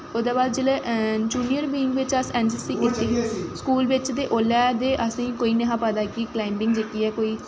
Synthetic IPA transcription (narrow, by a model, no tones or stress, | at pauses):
od̪aːbaːd̪d͡ʒɪleːʔd͡ʒuːnijəɾbiːɪŋɡʋɪt͡ʃəsɛːnd͡ʒəsiːʔɪt̪ːeɦskuːlʋɪt͡ʃd̪eːʔoːlɛːd̪eːʔəsĩːkoːiːnəɦãːpəd̪aːkiklaːɪmbɪŋɡd͡ʒeːkiːɛːkoːiː